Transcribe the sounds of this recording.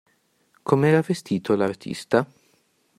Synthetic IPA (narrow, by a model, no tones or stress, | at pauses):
kʰomeɛːɾavest̪iːt̪ʰolart̪ʰḭst̪a